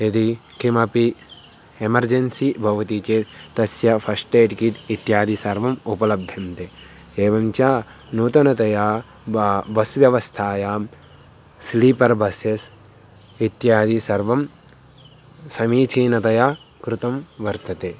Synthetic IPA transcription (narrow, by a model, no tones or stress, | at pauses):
ed̪ikimɐpi | emɐɾd͡ʒensibʱɐʋɐt̪it͡ʃeːt̪ɐsjɐpʰɐsʈeːʈikiʈit̪jaːd̪ʱisɐɾʋɐmupɐlɐb̚d̪ʱjɐmt̪e | eːʋɐmt͡ʃaː | nuːt̪ɐnɐt̪ɐjaː | bɐsʋjɐʋɐst̪ʰaːjaːm | sliːpɐɾbʱɐsjɐs | it̪jaːd̪isɐɾʋɐm | sɐmiːt͡ʃʰiːnɐt̪ɐjaːkɾut̪ɐmʋɐɾt̪ɐt̪eː